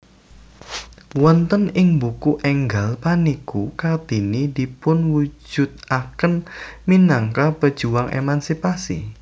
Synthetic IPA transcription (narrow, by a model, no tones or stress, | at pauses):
wɔnt̪ənɪŋbukuʔɛŋɡalpanikukard̪̥inid̪̥i̤pʊnwu̥d͡ʒ̥ʊ̤t̪̚ʔakənminaŋkapəd̥ʒ̥uwaŋʔḛmansipasḭ